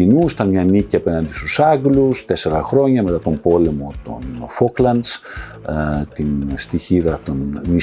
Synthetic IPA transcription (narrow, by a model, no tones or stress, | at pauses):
inusit̪ɐnmɲɐniciɐpe̞nɐnd̪ist̪usɐɡlust̪e̞se̞ɾɐxɾo̞ɲɐme̞t̪ɐt̪o̞mbo̞le̞mo̞t̪o̞̰nfoklɐnd̪s | t̪inst̪içiðɐt̪o̞nni